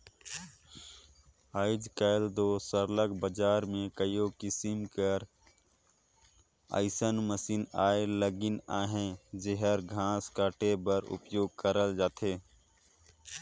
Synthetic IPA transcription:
aːɪd͡ʒkəɪld̪oːsəɾləkbəd͡ʒaːɾmẽkəjokɪsɪmkəɾ | ə̰ɪsənməsinaːeləɡɪnaːɦẽd͡ʒeɦəɾɡʱãːskaːʈebəɾʊ̰pjoːɡ̚kəɾəld͡ʒaːt̪ʰeː

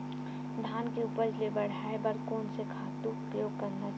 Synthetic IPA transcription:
d̪ʱaːnkeʊpəɾlebəɽ̤aːebəɾkɔːnsekʰaːt̪uʊpjoːɡ̚kɐɾna

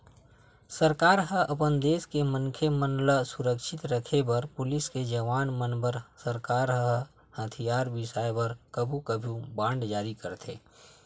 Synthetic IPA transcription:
səɾkaːɾɦəʔəpənd̪eːskemənkʰemənləsʊɾəkʃɪt̪ɾəkʰebɐɾpʊlɪsked͡ʒəʋaːnmənbəɾsəɾkaːɾɦəə | hət̪ʰijaːɾbɪsaːjbəɾkəbʱũkəbʱũbãːɳɖd͡ʒaːɾikəɾt̪ʰḛː

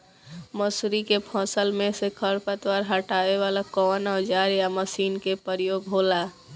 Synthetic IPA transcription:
məsɾikepʰɔ̃ːsəlmẽsekʰəɾpət̪ʋaːɾɦəʈaːeʋaːlakɔːnɔːd͡ʒaːɾijaməsiːnkepəɾjoːɡɦoːla

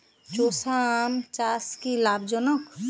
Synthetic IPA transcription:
t͡ʃosamt͡ʃaskilabd͡ʒɔnɔk

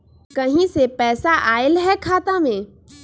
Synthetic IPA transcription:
kɐɦĩsepɛːsaʔaːɪlɦɛkʰaːt̪amẽː

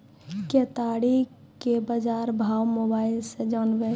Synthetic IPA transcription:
ket̪aɽi | kebəd͡ʒaɾbʱawmobaːɪlsed͡ʒanbe

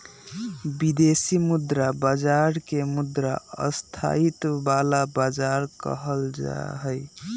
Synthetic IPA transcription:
bid̪esimud̪ɾabad͡ʒaɾkemud̪ɾaə̰st̪ʰa̰it̪balabad͡ʒaɾkə̰ɦəld͡ʒa̰ɦəj

